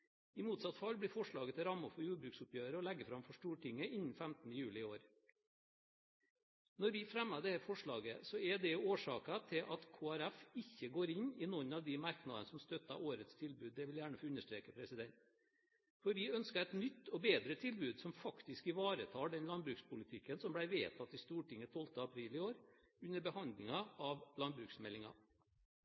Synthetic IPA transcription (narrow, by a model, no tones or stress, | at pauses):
ɪmuːt̪sɑt̪fɑlːblɪɾfɔʂɭɑːɡət̪ʰɪlɾɑmːʊfɔɾjuːɖbɾʉːksʊpjøːɾəɔlɛɡːəfɾɑmfɔʂʈuːʈɪŋːəʔɪnːn̩fæmt̪ən̩əjʉːlɪɪoːɾ | nɔɾʋɪfɾɛmːɑɖ̪ɛhæːɾfɔʂɭɑːɡə̰sɔɛɖ̪ɛoːʂɑːkɑt̪ʰɪlʔɑt̪kʰoːæɾæfɪçːəɡoːɾɪɲɪnɔnːɑʋd̪ɪmɑɾknɑd̪ənəsɔmst̪œt̪ːɑ̰ʔoːɾət̪st̪ʰɪlbʉːd̪ːɛʋɪljæːɳəfːʉnːəʂʈɾeːkəpʰɾɛsɪd̪ɛnt̪ | fɔɾʋɪœnskəɾɛɪt̪nʏt̪ːɔbeːd̪ɾət̪ʰɪlbʉːd̪sɔmfɑkt̪ɪskɪʋɑːɾət̪ʰɑːɖɛnlɑnbɾʉːkspʰʊlɪt̪ʰɪkːənsɔmblæɪʋḛːt̪ʰɑt̪ːɪst̪uːʈɪŋːət̪ʰɔlt̪əɑpʰɾiːlɪoːɾ | ʉnːəɾbəhɑnd̪lɪŋɑɑʋlɑnbɾʉːksmɛlːɪŋɑ̰